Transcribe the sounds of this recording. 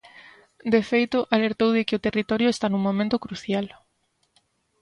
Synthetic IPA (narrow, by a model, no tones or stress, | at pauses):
d̪efejt̪ʊʔaleɾt̪owðɪkɪot̪erit̪ɔɾjoest̪anũŋmomẽnt̪ʊkɾuθjal